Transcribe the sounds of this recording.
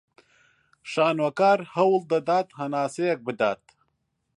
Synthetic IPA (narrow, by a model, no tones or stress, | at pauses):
ʃaːnwɐkaːɾhɐwld̪ɐd̪aːt̪hɐnaːsejɐk̚bɨd̪aːt̪̚